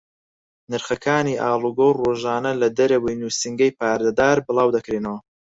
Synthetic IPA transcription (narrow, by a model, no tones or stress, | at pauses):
nɨɾχɐkʰaːniːʔaːlˠuɡowroːʒaːnɐlɐd̪ɐɾɐwijnuːsɨŋɡɐjpaːɾd̪ɐd̪aːɾbɨlˠɑːwd̪ɐkɾiːnɐwɐ